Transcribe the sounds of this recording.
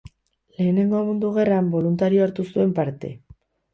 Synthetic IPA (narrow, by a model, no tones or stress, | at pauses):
le̞ːne̞ŋɡo̞mund̪uɣ̞e̞rambo̞lunt̪aɾio̞aɾt̪usue̞mpaɾt̪e̞̰